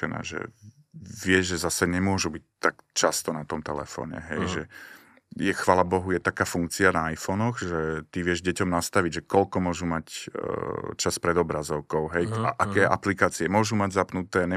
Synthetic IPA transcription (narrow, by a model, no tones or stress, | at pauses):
ɛ̰na̰ːʒɛ̰ | ʋɪɛʒɛzasɛɲɛmʊɔʒubic̚t̪ːakt͡ʃast̪ɔnat̪ɔmt̪ɛlɛ̰fɔ̰ːɲɛ̰ɦɛjʒɛ | jɛxʋaːlabɔɦujɛt̪akaːfuŋk̚t͡sianaajfɔnɔɣʒɛt̪iʋɪɛʒɟɛcɔmnast̪aʋiɟʒɛkɔlkɔmʊɔʒumac | t͡ʃaspɾɛd̪ɔbɾazɔʊkɔʊɦɛjaʔakɛːɛʔaplikaːt͡siɛmʊɔʒumaɟzapnut̪ɛːɲɛ